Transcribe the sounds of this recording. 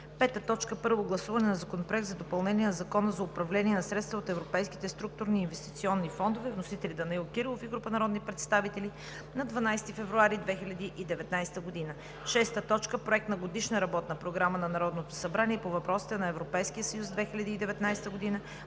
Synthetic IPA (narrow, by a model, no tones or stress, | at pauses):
pɛt̪ət̪ɔt͡ʃkəpɤɾvoɡlˠɐsuvɐnɛnɐzɐkonopɾoɛk̚t̪zɐd̪opɐlˠnɛniɛnɐzɐkɔnəzɐʊpɾɐvlɛniɛnɐsɾɛt̪st̪vəot̪ɛvɾopɛjski̥t̪ɛst̪ɾuk̚t̪ʊɾniːnvɛst̪it̪siɔnːifɔnd̪ovɛvnosit̪ɛlid̪ɐnɐilˠkiɾlˠofiɡɾupənɐɾɔd̪nipɾɛt̪st̪avit̪ɛli | nɐd̪vɐnajst̪ifɛvɾuaɾid̪vɛxilʲɐd̪iʔid̪ɛvɛt̪najst̪əɡod̪inə | ʃɛst̪ət̪ɔt͡ʃkəpɾoɛk̚t̪nɐɡod̪iʃnəɾɐbɔt̪nɐpɾoɡɾamənɐnɐɾɔd̪not̪o̥sɐbɾaniɛpovɐpɾɔsi̥t̪ɛnɐɛvɾopɛjskijəsɐjusd̪vɛxilʲɐd̪iːd̪ɛvɛt̪najst̪əɡod̪inə